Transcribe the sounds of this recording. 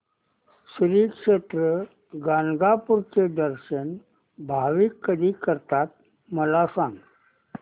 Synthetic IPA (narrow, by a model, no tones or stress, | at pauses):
sɾiːkʂet̪ɾə | ɡanɡapuɾt͡sed̪əɾɕən | bʱaʋikːəd̪ʱiːkəɾt̪at̪̚ | məlasãŋɡ